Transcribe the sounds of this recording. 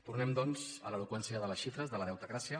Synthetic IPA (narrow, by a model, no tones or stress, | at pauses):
t̪urnɛmd̪ɔnzə̰ləlukwɛnsiəðələsʃifɾəzðələðɛwt̪əɣɾasiə